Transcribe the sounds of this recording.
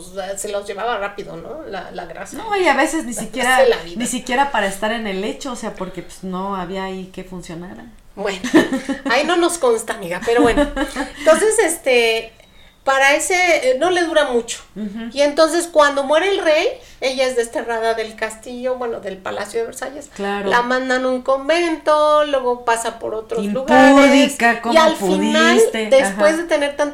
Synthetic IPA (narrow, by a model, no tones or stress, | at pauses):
sase̞lo̞zʝe̞βaβarapiðo̞̰no̰la̰laɣɾa̰snoiaβe̞seznisikjeɾaelaβiðnisikje̞ɾapaɾaest̪aɾe̞ne̞le̞t͡ʃo̞ːse̞apo̞ɾke̞pe̥znoaβiaike̞funsjo̞naɾa | bwenoaino̞no̞sko̞nst̪amiɣapeɾo̞βwe̞net̪o̞nse̞sest̪e̞ | paɾae̞seno̞le̞ðuɾamut͡ʃo̥ie̞nt̪o̞ns̬e̞skwand̪o̞mwe̞ɾe̞ːlre̞j | e̞ʝae̞zðe̞st̪e̞raðaðe̞lkast̪iʝo̞βwe̞no̞ðe̞lpalasjo̞ðeβeɾsaʝe̞sklaɾllʔamãnd̪anũŋko̞mbe̞nt̪o̞lwe̞ɣo̞pasapo̞̰ɾot̪ɾozluɣaɾeðiskakoialpfinalst̪ed̪espwe̞zðe̞t̪e̞ne̞ɾt̪ant̪